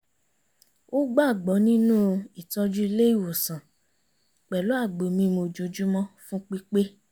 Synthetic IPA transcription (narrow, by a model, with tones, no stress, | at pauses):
o˦ɡ͡ba˦˨ɡ͡bɔ˨˦nĩ˦nũ˦i˨tɔ˧d͡ʒu˦i˧le˦i˦˨wo˨sã˨ | k͡pɛ˨lo˨˦a˦˨ɡ͡bo˨mĩ˧mo˧d͡ʒo˨d͡ʒu˦mɔ̃˦fũ˦k͡pi˦k͡pe˦